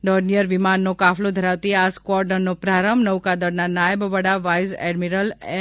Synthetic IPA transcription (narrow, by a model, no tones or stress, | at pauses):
ɖɔɾnijəɾʋɪmanːokafʰlõd̪ʱəɾaʋt̪iaskʋɔɾɖəɾnopɾaɾəmbnəʋkad̪əɾnanajəbʋəɽaʋajzɛ̰ɖmiɾəl